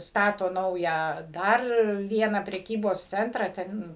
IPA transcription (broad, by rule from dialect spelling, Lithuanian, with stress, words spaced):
ˈstɑːtoː ˈnɐʊjæː ˈdɐr ˈʋʲiɛnɑː pʲrʲɛˈkʲiːboːs ˈt͡sʲɛntrɑː ˈtʲɛn